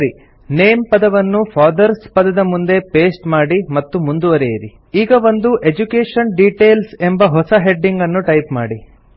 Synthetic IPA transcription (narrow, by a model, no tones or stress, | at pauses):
ɾi | neːmpɐd̪ɐʋɐnːupʰaːɾd̪ɐɾspɐd̪ɐd̪ɐmund̪e̞peːsʈmaːɽimɐt̪ːumund̪uʋɐɾejiɾi | iːɡɐʋo̞nd̪uʔe̞d͡ʒukeːʂɐnɖiʈe̞ːlse̞mbɐɦɔsɐɦe̞ɖːiŋɡɐnːuʈɐjpmaːɽi